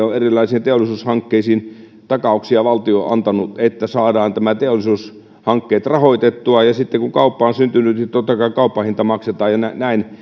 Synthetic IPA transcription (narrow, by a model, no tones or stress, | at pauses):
oʔerilːˑɑisiːnt̪eolˑisuːshɑŋkːeisiːn | t̪ɑkɑˑuksiɑʋɑlt̪ioʔɑ̰nt̪ɑnuʔet̪ːæsɑːdɑːnt̪æmæt̪eolːˑisuːs | hɑŋkːeːt̪rɑhoit̪et̪ːuɑjɑsit̪ːekuŋkɑupːɑonsynt̪ynyt̪nit̪ot̪ːɑkɑˑikɑˑupːɑhint̪ɑmɑkset̪ɑːjɑnænæin